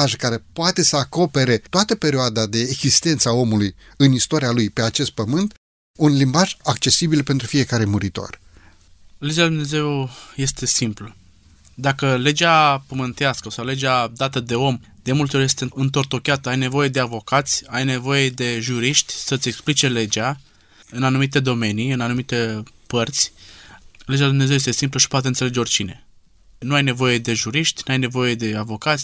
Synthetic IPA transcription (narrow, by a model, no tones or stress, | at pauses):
aʒkaɾe̞poat̪e̞səako̞pe̞ɾe̞t̪oat̪əpeɾʲioad̪ad̪e̞ːɡz̥ist̪e̞nt̪səao̞mulujɨnist̪oɾialujpe̞at͡ʃe̞st̪̚pəmɨnt̪ | unlimbaʒakt͡ʃe̞sibilpent̪ɾufije̞kaɾe̞muɾit̪o̞̰r | le̞d͡ʒeald̪une̞ze̞wje̞st̪e̞simplə | d̪akəle̞d͡ʒapəmɨnt̪easkəsawle̞d͡ʒead̪at̪əd̪e̞o̞m | d̪̥e̞mult̪eoje̞st̪eɨnt̪o̞rt̪o̞kʲeat̪əajne̞vo̞je̞d̪e̞avo̞kat̪sʲajne̞vo̞je̞d̪e̞ʒuɾiʃt̪ʲsəɨt̪ʲe̞ksplit͡ʃe̞le̞d͡ʒa | ɨnanumit̪e̞d̪o̞me̞niɨnanumit̪e̞pərt̪sʲ | led͡ʒald̪umnezewjest̪e̞simpləʃi̥poat̪eɨnseled͡ʒeo̞rt͡ʃine̞̰ | nuajne̞vo̞je̞d̪e̞ʒuɾiʃt̪ʲnuajne̞vo̞je̞d̪e̞avo̞kat̪sʲ